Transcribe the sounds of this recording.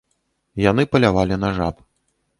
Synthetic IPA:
janɨpɐlʲavalʲinaʐap

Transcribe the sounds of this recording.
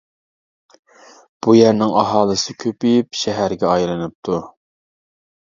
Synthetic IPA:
b̥ujæɾnɪŋɑɦɑːlˠɨsɪkʲʰøpyjipʃɛɦæɾɡʲɛɑjlˠɨnɨp̚t̪ʰu

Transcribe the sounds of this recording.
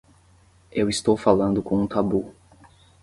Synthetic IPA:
ewist̪owfalɐ̃nd̪ʊkõũt̪abu

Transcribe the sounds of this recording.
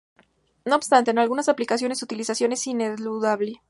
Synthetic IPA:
no̞obst̪ant̪eːnalɣunasaplikasjo̞ne̞sut̪ilisasjo̞ne̞sineluðaβle

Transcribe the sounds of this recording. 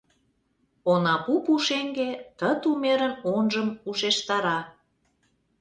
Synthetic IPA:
onɑpupuʃeŋɡet̪ət̪umeɾənonʒəmuʃeʃt̪ɑɾɑ

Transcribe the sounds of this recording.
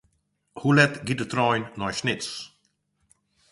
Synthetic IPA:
hulɛtɡit̚dət̪ɾɔjnːɔjʃnɪts

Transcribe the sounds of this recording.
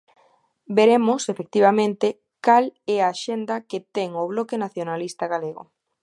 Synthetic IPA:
beɾemʊsefek̚t̪iβ̞amẽnt̪e | kalɛaːʃend̪ɐket̪ɛŋoβlɔkenaθjonalist̪aɣaleɣʊ̰

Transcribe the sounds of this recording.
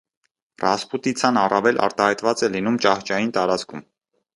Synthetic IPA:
rɑsput̪it͡sʰɑnɑrɑvɛlʔɑ̰ɾt̪ɑhɑjt̪vɑt͡sɛlinumt͡ʃɑht͡ʃɑjint̪ɑɾɑt͡skʰṵm

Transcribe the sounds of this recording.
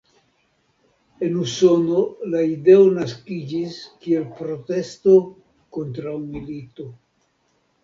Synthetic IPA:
e̞nuso̞no̞laide̞onaskid͡ʒiskie̞lpɾo̞te̞sto̞ | ko̞ntɾawmilito̞

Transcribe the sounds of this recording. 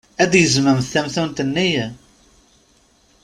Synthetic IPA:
æd̪jəzməmθæmθunt̪ənːij

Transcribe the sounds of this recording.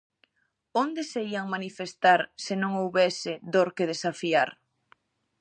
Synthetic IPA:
ond̪eseiaŋmanifest̪aɾsenõŋowβɛsɪðoɾkeð̞esafiaɾ

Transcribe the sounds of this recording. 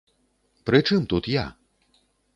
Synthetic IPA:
pɾɨt͡ʂɨmt̪ut̪ja̰

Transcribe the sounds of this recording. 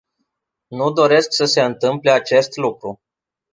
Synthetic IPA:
nud̪o̞ɾe̞sksəse̞ɨnt̪ɨmple̞at͡ʃe̞st̪lukɾu

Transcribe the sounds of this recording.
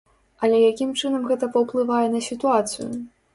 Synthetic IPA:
ɐlʲɛjakʲimt͡ʂɨnɐmɣɛt̪ɐpɐwplˠɨvajɛnɐsʲit̪uat̪sɨ̰jṵ

